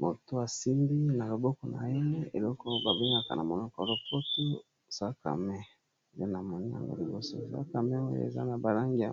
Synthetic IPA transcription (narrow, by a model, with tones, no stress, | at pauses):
mo˨to˦a˨si˦ndi˦na˨lo˨bo˦kɔ˨na̰˨ɛ˦ne˦e˨lɔ˦ko˦ba˨bi˦ŋɡa˨ka˨na˨mo˨nɔ˦kɔ˨lo˨po˦to˦ | sa˦ka̰˨mɛ˦˨ | je˦na˨mo˨ni˦ja̰˨ŋɡo̰˦li˨bo˦so̰˨sa̰˦ka˨mɛ˦o˦j̰ḛ˨za̰˦na˨ba˨la˦ŋɡi˨a˨